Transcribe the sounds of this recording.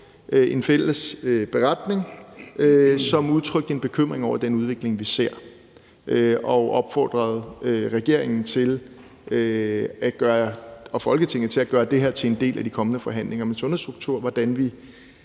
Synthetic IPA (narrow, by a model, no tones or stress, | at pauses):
ʔe̝nfel̰əsøb̥e̝ʁɑd̥ne̝ŋøsɒ̽muð̞ˠt͡sʰʁœɡ̥d̥əenb̥e̝kʰøm̰ʁeŋɒʊ̰ɐd̥enuð̞ˠʋe̝ɡ̥le̝ŋʋise̝ɐ̰ | ʔɒ̽ʔɒ̽b̥fɒ̰ːd̥ʁɐð̞̩ˠøʁɛɡ̥e̝ɐ̰e̝ŋn̩t͡sʰe̝l | øæɡ̥ɶːɐɐɒ̽fɒ̽lɡ̥ət͡sʰe̝ŋ̩t͡sʰe̝læɡ̥ɶːɐd̥e̝ɦeɐ̰t͡sʰe̝e̝nd̥e̝̰ːlʔæd̥ikʰɒ̽mənəfɒ̽ɦæn̰le̝ŋɐmensɔ̽nðˠsd̥ʁuɡ̥̚t͡sʰuɐ̰ʋɒd̥ænʋi